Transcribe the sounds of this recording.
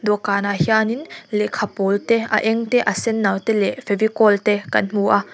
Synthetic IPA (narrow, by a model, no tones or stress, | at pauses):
d̪ɔkaːnahjaːninlɛkʰapɔlt̪ɛʔa̰ʔɛŋt̪ɛʔasɛnːawt̪ɛlɛfʰɛvikɔlt̪ɛkɐnm̥uʔa